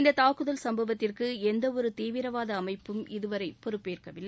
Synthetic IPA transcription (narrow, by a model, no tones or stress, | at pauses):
ɪnd̪ɐt̪aːkɯðɐlsɐmbɐʋɐt̪ːɪrkɯɛnd̪ɐɔɾɯt̪iːʋɪɾɐʋaːðɐːmɐɪpːɯmɪðɯʋɐɾɐɪpːɔɾɯpːeːrkɐʋɪlːɐɪ